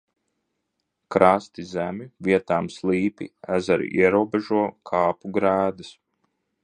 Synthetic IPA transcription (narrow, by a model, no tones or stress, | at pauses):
kɾast̪izæmʲiviɛt̪aːmslˠiːpḭæzaɾḭʔiɛɾuɔbeʒuɔkʰaːpuɡɾæːd̪ɐs